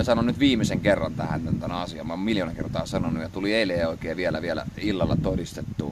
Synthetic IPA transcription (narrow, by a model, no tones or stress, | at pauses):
sɑnonnyt̪ʋiːmːˑiseŋkerːɑnt̪æhæ̰nt̪ænt̪ænæɑsiɑ̰mmmiljoːnɑkḛrt̪ɑːsɑnonːˑujjɑt̪ulieˑileːoˑikeːʋielæ̰ʋielæ̰ilːɑlːɑt̪odist̪et̪ːṵ